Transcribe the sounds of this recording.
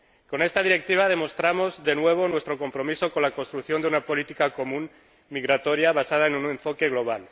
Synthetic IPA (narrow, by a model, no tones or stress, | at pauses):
ko̞ne̞st̪að̞iɾe̞k̚t̪iβ̞að̞e̞mo̞st̪ɾamo̞zðe̞nwe̞β̞o̞nwe̞st̪ɾo̞ko̞mpɾo̞miso̞ko̞nlako̞nst̪ɾukθjoneunapo̞lit̪ikako̞mũn | miɣɾat̪o̞ɾjaβ̞asað̞aenune̞ɱfo̞ke̞ɣlo̞β̞al